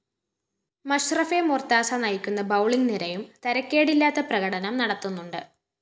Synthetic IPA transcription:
mɐɕrɐfemort̪aːsanɐjikʲːunːɐbɐwɭiŋniɾɐjumt̪ɐɾɐkʲːe̞ːɽilːaːt̪ːɐprɐɣɐɽɐnɐmnɐɽɐt̪ːunːuɳɖɨ

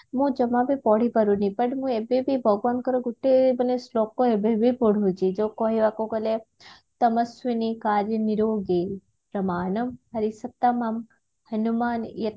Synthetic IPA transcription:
mũd͡ʒɐmãbipɔːɽipəɾũnipɐɽmũebebibʱəɡʋaːnkəɾoɡuʈːebɐnesloːkːoebebʱipoɽɦod͡ʒid͡ʒokoːɦiʋakokɐle | t̪ɐməsʋinikaːɾjəniɾoːɡe | pɾɐmaːnɐmɦɐɾisɐt̪ːamam | hɐnumaːnjɐt̪

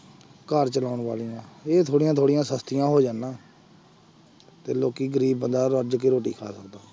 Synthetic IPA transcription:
kəɾt͡ʃəlaːʊɳʋaːlijãːeːt̪ʰoːɽɪjãːt̪ʰoːɽɪjãːsəst̪ɪjãːɦoːd͡ʒaːnːãː | t̪eːloːkiːɡəɾiːbːənd̪aːɾəd͡ʒkeːɾoːʈḭːkʰa̰ːsəkd̪aː

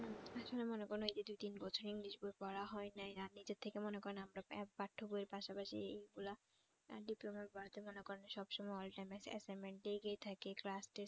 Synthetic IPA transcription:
aʃʰolemonekoɾnoejd̪id̪ujt̪inbɔt͡ɕʰoɾiŋliʃboepɔɾaɦɔenajanid͡ʑet̪ʰekemonekɔɾenaamɾaɛppaʈʰːobueɾpaʃapaʃḭejɡula̰ | ɖiplomaɾbaɾot̪emonekɔɾenaʃɔbʃɔmɔeɔlʈajmesɛ̰sameɳʈleɡeet̪ʰakeklasʈe

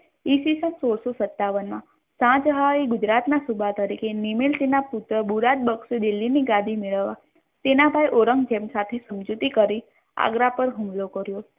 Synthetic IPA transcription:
isisə̃nsoɽsosət̪ːaʋənmã | sãt͡ʃɦaiɡʊd͡ʒɾat̪nasubʱat̪əɾikʰenimelt̪inapʊt̪ɾəbuɾat̪̚bəksed̪ilːiniɡad̪ʱimeɭəʋːa | t̪enabʱajʔoɾəŋɡd͡ʒemsat̪ʰesəmd͡ʒut̪ikəɾi | a̰ɡɾapəɾɦũmlokəɾjo

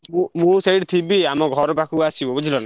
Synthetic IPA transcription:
mumũsejʈt̪ʰibiamɔɡʱɔɾɔpakʰuasibɔbɔd͡ʒʱilɔna

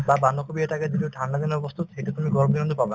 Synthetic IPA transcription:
baband̪ɔkʰubiet̪aked͡ʒid̪iuʈʰanɖad̪inɔbɔst̪ʰut̪ejʈut̪umiɡɔɾbɡinɔnd̪ʰɔpabna

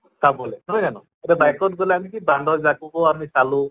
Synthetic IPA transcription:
sʰabɔlenɔjzanɔ̰ | eɾɛbajkɔt̚ɡɔleamikibaɳɖɔzakubɔamisalu

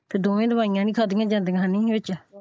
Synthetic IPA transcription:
t̪eːd̪oːʋẽːd̪əmaːijãːnĩːkʰaːd̪iːãːd͡ʒãːnd̪eːɦaːnĩːʋɪt͡ʃː

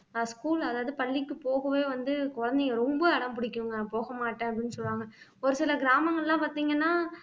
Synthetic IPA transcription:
skuːlɐðaːʋɐðɯpɐɭːɪkːɯpoːɣɐʋeːʋɐnd̪ɯkɔɻɐnd̪ɐjɐɾɔmbɐɐɽɐmpʊɽɪkːʊŋɡɐpoːɣɐmaːʈːẽːɐpːɽɪnːɯsɔlʋaːŋɡɐ | ɔɾɯsɪlɐɡɪɾaːmɐŋɡɐɭlːãːpaːɾt̪iːŋɡɐnːaː

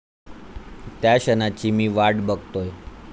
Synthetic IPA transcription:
t̪jaɕənat͡ɕimiʋaɽbək̚t̪oj

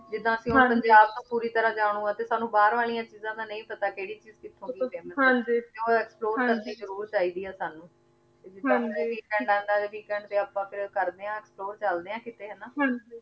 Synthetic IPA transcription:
d͡ʒɪd̪ãːəsĩːpəɲd͡ʒaːb̚t̪õːpuːɾiːt̪əɾãːd͡ʒaːɽ̃ũːãːt̪eːsaːnũːbaːɾʋaːlijãːt͡ʃiːzãːd̪aːnə̃ĩːpət̪aːkeːɽiːt͡ʃiːzkɪt̪ʰːõːɡiemãd͡ʒiːt̪eoːɛːksploːɾkɾəɾniːzəɾuːɾt͡ʃaːiːd̪iːɦɛːsaːnũː | t̪eːd͡ʒɪdãːd͡ʒeːʋiːkɛ̃ːɳɖãːnd̪aːeʋiːkɛ̃ːɳɖt̪eːaːpãːpʰɪɾkəɾd̪eːãːɛksploːɾt͡ʃəld̪eːãːkɪt̪eːɦɛːnaːɦãd͡ʒi

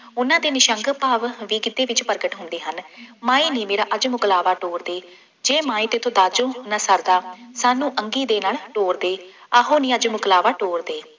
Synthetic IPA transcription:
ʊnãːd̪eːnɪʃəŋɡəpaːʋʋiːɡɪd̪eːʋɪt͡ʃpəɾɡəʈɦʊ̃nd̪eːɦənmaːiːnĩːmeːɾaːʔəd͡ʒmʊklaːʋaːʈoːɾd̪eː | d͡ʒeːmãːĩːt̪et̪ʰõːd̪aːd͡ʒõːɦnaːsəɾd̪aːsaːnũːʔəŋɡiːd̪eːnaːlʈoːɾd̪eː | aːɦoːnĩːəd͡ʒmʊklaːʋaːʈoːɾd̪eː

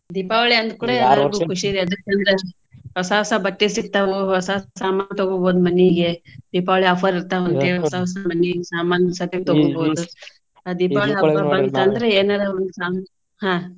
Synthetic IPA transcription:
d̪iːpaʋɐɭeɐnd̪̚kuɽeɡukʰuʂiɾiɐd̪ɐk̚t͡ʃɐnd̪ɾe | ɦɔsaɦɔsabɐʈːisik̚t̪aʋuɦɔsasaːmaːnɐt̪oɡoboːd̪mɐnːeiɡed̪iːpaːʋɐɭeɐpʰɐɾiɾt̪aʋɐnt̪eɔsaɦɔsamɐnːeiɡsaːmaːnɐsɐt̪int̪oɡoboːd̪u | d̪iːpaːʋɐɭeɐɐbaɾt̪aːnd̪ɐɾeeːnalaond̪usaː | hãː

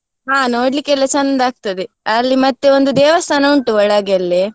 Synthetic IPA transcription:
ɦaːnoːɽlikːɛlːɐt͡ʃɐnd̪aːɡ̚t̪ɐd̪e | ɐlːimɐt̪ːeond̪ud̪ɛːʋɐst̪ʰaːnɐuɳʈuʋɐɭaːɡeɐlːi

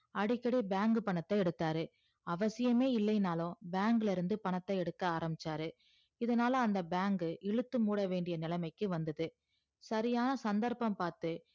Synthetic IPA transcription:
ɐɽɪkːɐɽibaːŋɡɯpɐɳɐt̪ːɐɛɽɯt̪ːaːɾɯ | ɐʋɐsɪjɐmeːɪlːɐjnaːlõbaːŋɡɪlɪɾɯnd̪ɯpɐɳɐt̪ːɐɛɽɯkːɐaːɾɐmɪt͡ʃːaːɾɯ | ɪðɐnaːlɐ̃ɐnd̪ɐbaːŋɡɯʔɪɻɯt̪ːɯmuːɽɐʋeːɳɖɪjɐnɪlɐmɐɪkːɯʋɐnd̪ɐðɯ | sɐɾɪjaːnɐsɐnd̪ɐɾpɐmpaːɾt̪ɯ

